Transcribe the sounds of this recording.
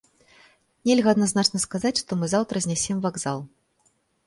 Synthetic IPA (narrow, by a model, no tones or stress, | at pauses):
nʲɛlʲɣɐɐd̪naznat͡ʂnɐskazat͡sʲʂt̪ɔmɨzawt̪ɾɐzʲnʲɛsʲɛmvaɡzalˠ